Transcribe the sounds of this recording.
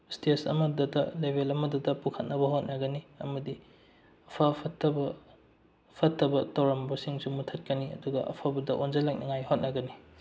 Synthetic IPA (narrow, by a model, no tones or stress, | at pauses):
stesɐ̰mɐdɐdɐlebʱelɐmɐdudɐpukʰɐt̚nɐbɐɦot̚nɐɡɐniɐmɐdi | ɐpʰɐpʰɐtːɐbɐ | pʰɐtːɐbɐtɐwɾɐmbɐsiŋsumutʰɐt̚kɐniɐ̰duɡɐ̰ʔɐ̰pʰabɐdɐʔonzɐlɐk̚nʔiŋajhot̚nɐɡɐni